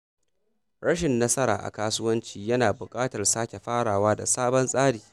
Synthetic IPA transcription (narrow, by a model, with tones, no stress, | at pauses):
ɽɐ˦ʃɪ˨nːɐ˦sɐ˦ɾa̰ː˨ʔa̰˨kaː˦sʊ˦wɐ˦nt͡ʃiː˨jɐ˦naː˨bʊ˨kʼaː˦tɐ˨rsaː˦kʲe˨ɸaː˦ɽaː˨waː˦da̰˨saː˦bɐ˦nsʼaː˦ɽiː˨